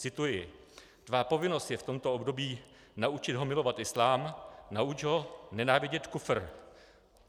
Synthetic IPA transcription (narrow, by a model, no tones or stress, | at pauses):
t͡sɪt̪ujɪ | d̪vaːpo̞vɪno̞st̪jɛft̪o̞mt̪oobdo̞biː | naut͡ʃɪd̪ɦo̞mɪlo̞vat̪ʔɪslaːmnaut͡ʃɦo̞nɛnaːvɪɟɛt̪kufr̩